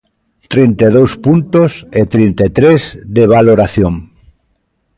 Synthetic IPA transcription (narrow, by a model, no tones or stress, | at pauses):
t̪ɾint̪eðowspunt̪oset̪ɾint̪et̪ɾezd̪eβ̞aloɾaθjoŋ